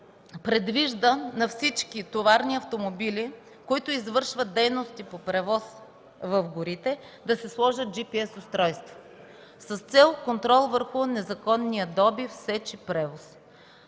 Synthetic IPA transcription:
pɾɛd̪viʒd̪ənɐfsit͡ʃkit̪ovaɾniɐft̪omobili | koit̪ʊizvɤɾʃvət̪̚d̪ɛjnost̪ipopɾɛvɔs | vɐfɡʊɾit̪ɛ | d̪ɐsɛslˠɔʒət̪̚d͡ʒipiɛsʊst̪ɾɔjst̪vo̥ | sɐst̪sɛlˠkont̪ɾɔlˠvəɾxʊnɛzɐkɔnːijəd̪ɔbifsɛt͡ʃipɾɛvos

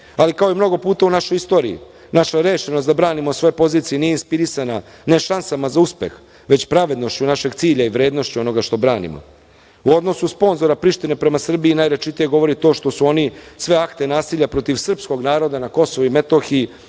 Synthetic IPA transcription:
alikao̞imno̞ɡo̞puːt̪aunaʃo̞jist̪o̞ːɾḭḭ | naʃaɾe̞ːʃenos̬t̪d̪abɾaːnimosʋo̞jepo̞ziːt̪sijenijeinspiɾisana | ne̞ʃansamazauspe̞̰x | ʋe̞t͡ɕpɾaʋe̞d̪no̞ʃt͡ɕunaʃe̞ɡt̪siːʎaiʋɾe̞ːd̪no̞ʃt͡ɕuo̞no̞ɡaʃt̪o̞bɾaːnḭmo̰ | uo̞d̪nosuspo̞nzo̞ɾapɾiʃt̪ine̞pɾe̞masr̩biːnajɾet͡ʃit̪ije̞ɡo̞ʋo̞ɾit̪o̞ːʃt̪o̞suo̞nisʋe̞akt̪e̞naːsiːʎapɾo̞t̪iʋsr̩psko̞ɡnaːɾo̞d̪anako̞soʋuime̞t̪o̞xii

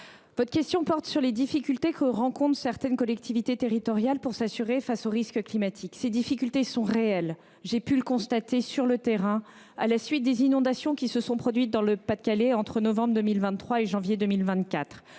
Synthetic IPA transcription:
vɔt̪χəkʲɛst̪jɔ̃pɔʁt̪syʁled̪ifikʲylt̪ekʰəʁɑ̃kɔ̃t̪χsɛʁt̪ɛnkɔlɛk̚t̪ʰivit̪et̪eʁit̪ɔʁjalpuʁsasyʁefasoʁiskəklimat̪ʰiksed̪ifikʲylt̪esɔ̃ʁeɛl | ʒepyləkɔ̃st̪at̪esyʁlət̪eʁɛ̃ | a̰lasɥit̪̚d̪ezinɔ̃d̪asjɔ̃kʲisəsɔ̃pχɔd̪ɥit̪̚d̪ɑ̃ləpad̪̚kʲaleɑ̃t̪χənɔvɑ̃bʁd̪əmilvɛ̃nt̪ːχwaeʒɑ̃vjed̪əmilvɛ̃t̪kʲat̪χ

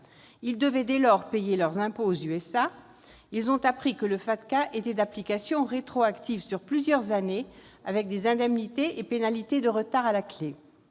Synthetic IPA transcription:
ild̪əvɛd̪elɔʁpejelœʁzɛ̃poːzyɛsa | ilzɔ̃t̪apχikələfat̪kaʔet̪ɛd̪aplikasjɔ̃ʁet̪χoakt̪ivsyʁplyzjœʁzane | avɛk̚d̪ezɛ̃d̪ɛmnit̪eʔepenalit̪ed̪əʁət̪aʁalakle

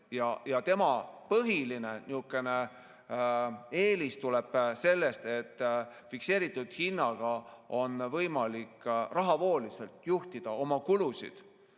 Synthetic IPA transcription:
jɑjɑt̪e̞mɑpɤɦiline̞niukːˑe̞ne | e̞ːlist̪ule̞b̥se̞lːe̞st̪e̞t̪ːfikse̞ːɾit̪ːˑud̪̥hinːɑɡ̥ɑo̞nvɤjmɑlikːrɑɦɑvo̞ːlise̞lt̪juht̪id̪̥ɑo̞mɑkulusḭd̪̥

